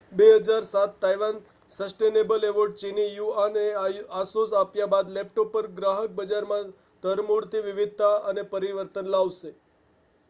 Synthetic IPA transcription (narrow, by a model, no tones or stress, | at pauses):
beɦəd͡ʒaɾsat̪ːajʋan | səsʈenebəleʋoɾɖ̚t͡ʃinijuaneasosapjabad̪lɛp̚ʈopəɾɡɾaɦək̚bəd͡ʒaɾmã | t̪əɾmuɽt̪ʰiʋɪʋɪd̪̚ʱt̪aənepəɾiʋəɾt̪ənlaʋʃe